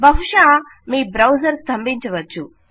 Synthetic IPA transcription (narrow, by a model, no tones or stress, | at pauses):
bʱɐɦuʂaː | miːbɾɐwsɐɾst̪ʰɐmbiɲt͡ʃɐʋɐt͡ʃːu